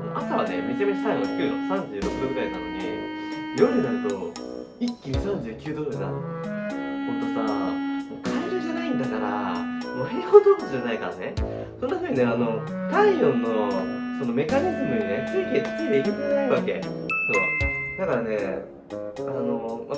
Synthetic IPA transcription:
anoʔasaβane̞mʲit͡ɕamʲeɲisaɡ̪okʲɨːd̪okɯsãɲ̟d͡ʑɨːɾo̞kɯ̟d̪o̞ɡɯ̟ɾainanoɲḭjoɾɯ̟naɾɯ̟t̪o | ikʲːisãɲ̟d͡ʑɨːkʲɨːd̪o̞ːd̪ɯsa̰ | hõnt̪o̞sa̰moːkʰaid͡ʑoʑanaĩnd̪akaɾa̰moːihot̪od͡ʑanaika̰ɾane | so̞nd̪aameineano̞ | kaijõnːo̞ | so̞no̞me̞kaɲ̟ʲizɨmɯ̟one̥t͡sɨik̪ʲe̥t͡siid̪eikʲok̪ɯnaiβake̞̰so̞ːd̪akaɾane̞ | ano̞ma

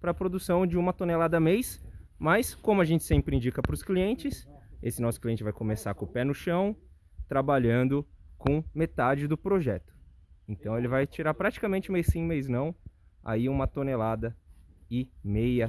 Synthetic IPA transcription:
pɾɐpɾod̪usɐ̃w̃d͡ʒɪũmɐt̪onelad̪ɐmejsmɐskõmʊaʒẽnt͡ʃɪ̥sẽmpɾɪĩd͡ʒikɐpɾʊskliẽnt͡ʃɪsesɪnɔsʊ̥kliẽnt͡ʃɪvajkomesaɾkõpɛnʊʃɐ̃w̃ | t̪ɾabaʎɐ̃nd̪ʊkõmet̪ad͡ʒɪd̪ʊpɾoʒɛt̪ʊ̥ẽt̪ɐ̃w̃elɪvajt͡ʃiɾaɾpɾat͡ʃi̥kamẽnt͡ʃɪmejsĩmejznɐ̃w̃ | a̰iũmɐt̪onelad̪ɐɪmejɐ

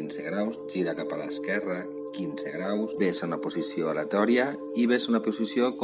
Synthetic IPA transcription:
inseɣɾawsʒiɾakapala̰eskɛra | kinseɣɾawsβesaunaposisjoalet̪ɔɾja | iβ̞esaunapusisjok

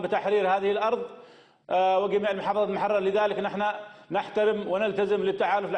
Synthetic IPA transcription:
bɪt̪aħɾiːɾhaːðɪhɪlʔɑɾˤðˤ | wɪd͡ʒamiːʕɪlmʊħɑːfɑðˤɑlmʊħɑrˤːɑɾˤlɪðaːlɪknɪħnanɪħt̪aɾɪmwɪnɪlt̪azɪmlɪt̪ːaʕaːlʊfl

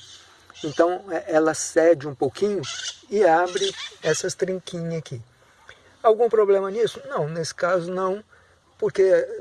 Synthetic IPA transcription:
ẽnt̪ɐ̃w̃ɛɛlɐsɛd͡ʒɪũpowkĩɲʊɪabɾɪɛsɐst̪ɾĩkĩɲaki | awɡũpɾoblẽmɐnisʊnɐ̃w̃nesɪ̥kazʊnɐ̃w̃ | poɾke

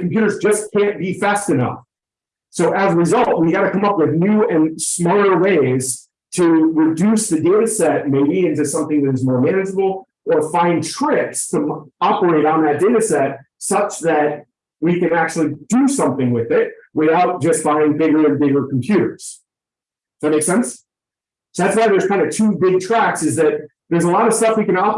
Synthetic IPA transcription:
kʰm̩pjʉɾə˞zd͡ʒʌskʰæ̃nb̥ifæstɨnʌ̰f | soʊʔɨzəɹɨzʌlˠt̚wiɨɡɑɾɨkʰʌ̃mʌpwɨðnʉɨ̃nsmɔlˠə˞weɪz̥ | tʰɨɹɨdʉsðɨdeɪɾɨsɛt̚meɪbiɨ̃ntɨsʌ̃mθɪ̃ŋðɨɾɨzmɔɹmæ̃ñɨd͡ʒəbl̩ˠ | ʔə˞fãɪ̃ntʰɹ̥ɪpstʰəɑpə˞eɪɾn̩ðɨt̚d̥eɪɾɨsɛt̚ | sʌt͡ʃðɨt̚ | wikɨ̃næk̚t͡ʃʉl̩ˠidɨsʌ̃mθɪ̃ŋwɪðɪt̚wɪθaʊt̚d̥ʒ̥ʌstb̥ãɪ̃ɪ̃ŋbɪɡə˞ɨ̃nbɪɡə˞kʰm̩pʰj̥ʉɾə̰˞z̥ | ðɨt̚meɪksɛ̃ns | soʊðætswaɪðə˞z̥kʰãɪ̃ndɨtʰʉbɪɡ̚tʰɹ̥æksɨzðɨt̪̚ | ðə˞zəlɑɾʌv̥stʌfwikɨ̃nɑ

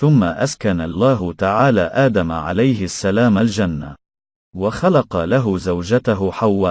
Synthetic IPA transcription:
θʊmːaʔaskanalˤːaːɦʊt̪aʕaːlaːʔaːd̪amʕa̰lajɦɪasːalaːmald͡ʒanːa̰ | waxalɑqɑlaɦʊzawd͡ʒat̪aɦʊħawːaː

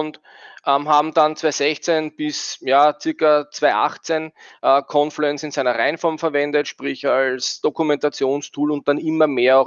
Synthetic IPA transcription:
ʊnt | ʔəmɦaːbm̩d̥ant͡sv̥aɪzɛçt͡senb̥ɪsjaːt͡sɪɐkɐt͡sv̥aɪʔa̰χt͡senʔəːkʰɔnfluɛnt͡sɪnsæɪnɐʁaɪnfɔɐmfɛɐvɛndətʃpʁɪçalsd̥okʊmɛ̃ntat͡sjoːnstʰuːlʊnt̚d̥anɪmɐmeːɐ

